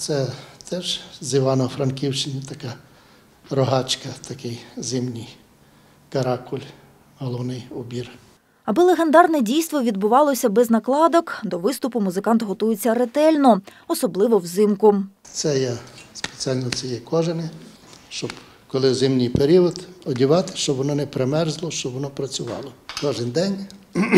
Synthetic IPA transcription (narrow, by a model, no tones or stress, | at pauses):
t̪sɛt̪ɛʒziʋɑnɔfɾɐnkʲiwt͡ʃɪnʲit̪ɐkɑ | ɾɔɦɑt͡ʃkɐt̪ɐkɪjzɪmnʲij | kɐɾɑkʊlʲ | ɦɔlˠɔwnɪjʊbʲir | ɐbɪlˠeɦend̪ɑrnɛdʲijst̪ʋɔʋʲid̪̚bʊʋɑlˠɔsʲɐbɛznɐklˠɑd̪ɔkd̪ɔʋɪst̪ʊpʊmʊzɪkɑnt̪ɦɔt̪ujet͡sʲːɐɾet̪ɛlʲnɔ | ɔsɔblˠɪʋɔwzɪmkʊt̪sɛjɛspe̥t͡sʲiɑlʲnɔsɛjɛkɔʒɪnɪ | ʃt͡ʃɔb | kɔlˠɪzɪmnʲijpeɾʲiɔd̪ɔdʲiʋɑt̪ɪ̥ʃt͡ʃɔbʋɔnɔnɛpɾemɛrzlˠɔʃt͡ʃɔbʋɔnɔpɾɐt͡sʲʊʋɑ̰lˠɔkɔʒɪnd̪ɛnʲ